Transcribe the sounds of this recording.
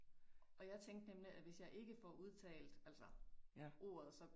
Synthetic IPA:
ʔɒ̽jɑ̈ɪt͡sʰeŋ̰ɡd̥nemliʔæʋe̝sjɑ̈ɪʔe̝ɡ̥əfɒʔuð̞ˠt͡sʰɛ̰ːld̥ælsɐʔo̝̰ːɐð̞̩ˠsɒ̽

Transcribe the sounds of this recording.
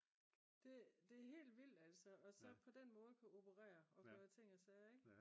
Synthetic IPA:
d̥e̝d̥e̝ɦe̝̰ːld̥ʋil̰̥æl̰sɒɒ̽sɒ̽pʰɒ̽d̥enmɔ̽ːð̞̩ˠkʰuo̝b̥ʰəʁɛ̰ːɐɒ̽kʰøːt͡sʰe̝ŋ̰ɒsɛːeɡ̥

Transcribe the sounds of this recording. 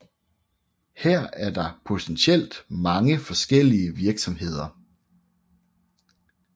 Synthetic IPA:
heɐ̰æɐd̥ɑ̈pʰot͡sʰenɕʰel̰d̥mɑ̈ŋəfɒ̽sɡ̥el̰iəʋiɐɡ̥sɒ̽mɦe̝ð̞̰ˠɐ

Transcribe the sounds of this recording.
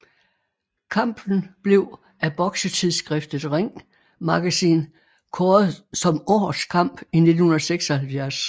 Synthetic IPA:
kʰɑ̈m̰b̥n̩b̥le̝ʊ | æb̥ɒ̽ɡ̥sət͡sʰiðˠsɡ̥ʁɛfd̥ð̩ˠʁeŋ̰ | mɑ̈ɡ̥æsḭːn | kʰɒːð̩ˠsɒ̽mɒːskʰɑ̈m̰b̥ine̝d̥n̩hunˠɐseɡ̥sɒ̽hælfjæɐs

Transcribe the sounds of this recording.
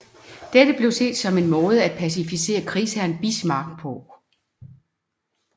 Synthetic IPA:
d̥ed̥əb̥le̝ʊse̝̰ːd̥sɒ̽me̝nmɔ̽ːð̞ˠəæd̥̚pʰæs̬ifise̝̰ːɐkʰʁiːsæɐnb̥ismɑ̈ɡ̥̚pʰɔ

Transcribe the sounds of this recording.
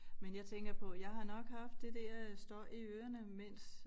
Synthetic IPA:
menjɑ̈ɪt͡sʰeŋɡ̥ɐpʰɒ̽jɑ̈ɪɦɑ̈nɒ̽ɡ̥hɑ̈fd̥ːe̝d̥æɐjsd̥ɒ̰ːʔiøːɐnəmen̰s

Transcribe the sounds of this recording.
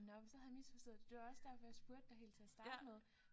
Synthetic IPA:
nɒmsɒ̽hæðjmisfɒ̽sd̥ɔ̰̽ð̩̥ˠd̥e̝ɑɒ̽sd̥æɐ̰fɒjɑ̈sb̥uɐ̰d̥ːɑ̈ɦe̝̰ːlt͡sʰe̝æsd̥ɑ̈ːd̥əmeð̞ˠ

